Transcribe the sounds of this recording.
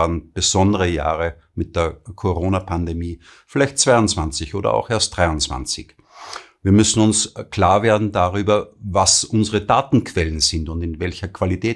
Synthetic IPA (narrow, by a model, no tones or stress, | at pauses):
aɐnb̥əz̥ɔndəʁəja̰ːʁə | mɪt̚d̥eːɐkʰoʁoːnapʰandemiː | fɪlæɪçtt͡sv̥aɪʊnt͡sv̥ant͡sɪçʔoːdɐ̰a̰ʊxeːɐst̚d̥ʁaɪʊnt͡sv̥a̰nt͡sɪ̰ç | viːɐmʏsn̩ʊnskl̥aːɐveːɐdn̩daʁyːbɐvasʔʊnzəʁədaːtn̩kʰv̥ɛlənzɪntʊndɪnvɛlçɐkv̥alitʰɛː